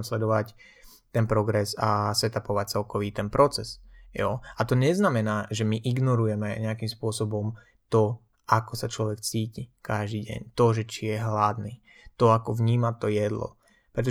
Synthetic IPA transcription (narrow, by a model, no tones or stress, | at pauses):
mslɛd̪ɔʋac | t̪ɛnpɾɔɡɾɛzasɛt̪apɔʋac̚t͡sɛlkɔʋiːt̪ɛnpɾɔt͡sɛsjɔat̪ɔɲɛznamɛnaːʒɛmiʔiɡnɔɾujɛmɛɲɛakimspʊɔsɔbɔm | t̪ɔ | akɔsat͡ʃlɔʋɛkt͡siːcikaʒd̪iːɟɛ̰ɲt̪ɔʒɛt͡ʃijɛɦlad̪ni | t̪ɔakɔʋɲiːmat̪ɔjɛd̪lɔ̰ | pɾɛt̪̬ɔ